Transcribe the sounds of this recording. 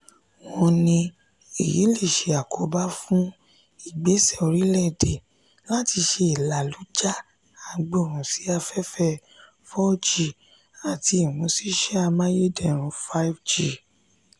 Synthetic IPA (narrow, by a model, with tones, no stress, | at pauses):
wɔ̃˧nĩ˧ | ḛ˨jḭ˨˦le˦˨ʃe˨˦a˨ko˨˦ba˦fũ˦ | i˦˨ɡ͡be˨˦sɛ˦˨o˧ɾi˨˦lɛ˦˨de˨ | la˦ti˧ʃe˧i˨la˨lu˨˦d͡ʒa˦˨ | a˧ɡ͡bo˦˨ɾũ˨si˨˦a˧fɛ˦fɛ˧ | fɔ˦d͡ʒi˨ | a˨ti˧i˨w̃ɔ̃˨˧˦si˦ʃɛ˦a˧mã˦je˦dɛ˦˨ɾ̃ũ˧˦fa˦i˦fd͡ʒi˦˨